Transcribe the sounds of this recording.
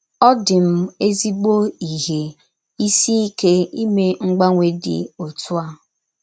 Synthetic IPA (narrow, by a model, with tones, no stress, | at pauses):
ɔ˦dɪ˨m̩˦e˦zi˦ɡ͡bo˦i˨ɦe˨ | i˦si˦i˦ke˦i˦me˦ŋ͡m̩˦ɡ͡ba˦ŋʷe˦dɪ̰˨o˨tʰʊ˦a˦˨